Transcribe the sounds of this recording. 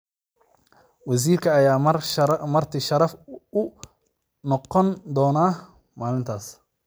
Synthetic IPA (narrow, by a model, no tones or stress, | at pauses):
wɑs̬iːrkʰɐːjaːɐmɐrt̪ʰiʃɐɾɐfʊ | nɔqɔnd̪ɔːnaː | maːlɪnt̪ʰaːs